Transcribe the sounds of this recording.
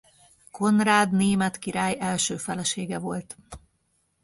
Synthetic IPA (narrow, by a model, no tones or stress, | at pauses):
kʰo̞nraːd̪neːmɛt̪kiɾaːjɛlʃøːfɛlɛʃeːɡɛvo̞lt̪